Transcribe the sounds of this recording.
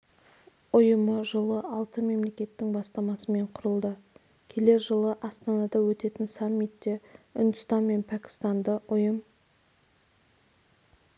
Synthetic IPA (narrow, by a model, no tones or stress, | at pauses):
ʊjəməʒəlˠəʔɑlˠt̪əme̞mle̞kʲe̞t̪ːɪŋbɑst̪ɑmɑsəme̞ɴqʰʊɾəlˠd̪ə | kʲʰe̞le̞ɾʒəlˠəʔɑst̪ɑnɑd̪ɑwɵt̪e̞t̪ɪnsamːit̪ːe̞ʊ̰nd̪əst̪ɑnme̞npʰækʲɪ̥st̪ɑnd̪əʊjəm